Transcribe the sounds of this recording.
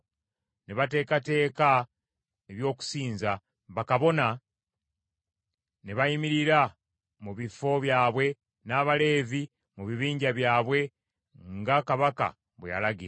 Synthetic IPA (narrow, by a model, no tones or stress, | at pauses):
neβate̞ːkate̞ːka | eβjo̞ːku̥siːnza | βakaβo̞na | neβajimiɾiɾa | muβifo̞βjaːβwe̞ | naːβale̞ːvi | muβiβiːɲɟaβjaːβwe̞ | ŋɡakaβaka̰ | βweja̰laɡiɾa